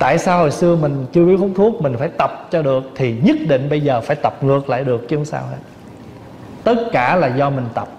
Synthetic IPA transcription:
t̪a̰ː˧˨jsaː˧ho̰˨jsɨ˧əmï˨˩ŋ̟t͡ɕɨ˧əɓi˦əkʰu˦wŋ͡mt̪ʰu˦˥ək̚mï˨˩ŋ̟faː˧˩jt̪ə˨˩p̚t͡ɕɔ˧ɗɨ˨˩ək̚t̪ʰi˨˩ɲə˦˥t̚ɗḭ̈˧˨ŋ̟ɓə˧jzəː˨˩faː˧˩jt̪ə˨˩p̚ŋɨ˨˩ək̚la̰ː˧˨jɗɨ˨˩ək̚t͡ɕi˧hu˧˦ŋ͡msa̰ː˧wɦḛ˦˥t̚ | t̪ə˦˥t̚kaː˧˩laː˨˩zɔ˧mï˨˩ŋ̟t̪ə˨˩p̚

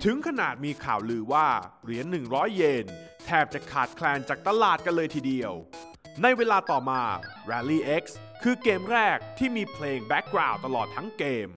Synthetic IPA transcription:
t̪ʰɯ˨˩˦ŋkʰa˧naː˨˩t̪̚miː˧kʰa̰ː˨˩wlɯː˧waː˥˩ɾi˩˦ənːɯ˨˩ŋɾɔː˦˥jːe˧n | t̪ʰɛː˥˩p̚t͡ɕa˨˩kʰaː˨˩t̪̚kʰlɛː˧nt͡ɕaː˨˩k̚t̪a˧laː˨˩t̪̚ka˧nlɤː˧jt̪ʰiː˨˩di˧əw | na˧jweː˧laː˧t̪ɔː˨˩maː˧ | ɾɛː˧liː˥˩ʔe˦˥k̚s | kʰːɯː˧keː˧mɾɛː˥˩k̚t̪ʰiː˥˩miː˧pʰleː˧ŋbɛ˦˥k̚ːɾaː˨˩wt̪a˧lɔː˨˩t̪ʰːa˦˥ŋkeː˧m

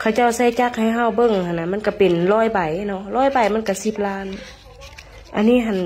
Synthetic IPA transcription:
kʰa˧˩wt͡ɕa˧˥˩wsa˧˩jt͡ɕa˧˩k̚ha˧˩jɦa˧˩wbɤ˧˨ŋhʰa˧˨naː˧˩ma˧˥˨ka˧˩pe˨nlɔː˧˥˨jba˨˩jnɔ˧˨lɔː˧˥˨jba˨˩jma˧˥˨nka˧˩si˧˦p̚laː˧˥˨n | ʔa˧˨nːiː˧˥˨ɦa˧˨n

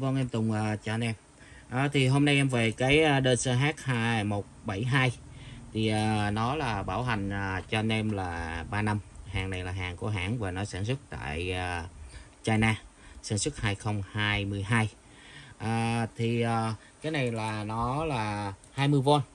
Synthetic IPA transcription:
və˧nʔɛ˧mt̪ʊ˨˩ŋ͡mʔəː˨˩t͡ɕɔ˧nʔɛ˧m | ʔaː˨˩t̪ʰi˨˩ɦo˧mna˧jʔɛ˧mve˨˩kaː˨˦jʔəː˧ɗə˧nsəː˧ɦaː˦˥k̚haː˧mo˨˩t̚ɓa˧˩jɦaː˧j | t̪ʰi˨˩ʔəː˨˩nɔ˨˦laː˨˩ɓaː˧˩wɦa˨˩jŋ̟ʔəː˨˩t͡ɕɔ˧nʔɛ˧mlaː˨˩ɓaː˧na˧mhaː˨˩ŋna˨˩jlaː˨˩ɦaː˨˩ŋku˧˩əɦa̰ː˧˩nvaː˨˩nɔ˨˦saː˧˩nsə˦˥k̚t̪a̰ː˧˨jəː˨˩ | t͡ɕaː˧jnaː˧saː˧˩nswə˦˥t̚haː˧jxə˧wŋ͡mhaː˧jmɨ˧əjɦaː˧j | ʔəː˨˩t̪ʰi˨˩ʔəː˨˩ | kaː˨˦jna˨˩jlaː˨˩nɔ˨˦laː˨˩haː˧jmɨ˧əjvo˧n

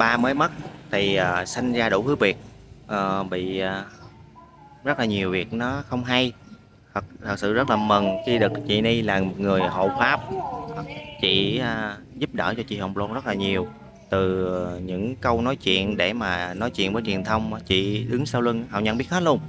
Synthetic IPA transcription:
ɓaː˧məː˨˦jmə˦˥t̚t̪ʰi˨˩ʔəː˨˩sa˧jŋ̟zaː˧ɗu˧˥hɨ˨˦vi˨˩ət̚ʔəː˨˩ɓḭ˧˨˩ | zə˦˥t̚laː˨˩ɲi˨˩əwvi˨˩ət̚nɔ˨˦xə˧wŋ͡mɦa˧j | h̪ə˨˩k̚t̪ʰə˨˩t̚sɨ̰˧˨zə˦˥t̚laː˨˩mə˨˩ŋxi˧ɗɨ˨˩ək̚t͡ɕḭ˧˨ni˧laː˨˩mo˨˩t̚ŋɨ˨˩əjɦo̰˧˨faː˦˥p̚ha˨˩k̚t͡ɕḭ˧˨˧ | zu˦˥p̚ɗəː˧˩t͡ɕɔ˧t͡ɕḭ˧˨hə˨˩ŋ͡mlo˧ŋzə˦˥t̚laː˨˩ɲi˨˩əw | t̪ɨ˨˩ɲɨ̰˧˥ŋkə˧wnɔ˨˦jt͡ɕwḭ˧˨ənɗe˧˩maː˨˩nɔ˨˦jt͡ɕwḭ˧˨ənvəː˨˦jt͡ɕwi˨˩ənt̪ʰə˧wŋ͡mt͡ɕḭ˧˨ɗɨ˨˦ŋsəː˧wlɨ˧ŋha̰˨˧˩w̚ɲə˧˨nɓi˦˥əht̚u˧ən

